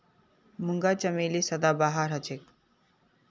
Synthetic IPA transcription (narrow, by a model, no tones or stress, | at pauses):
muŋɡat͡ɕəmeliːsəd̪abaɦaɾɦət͡ɕek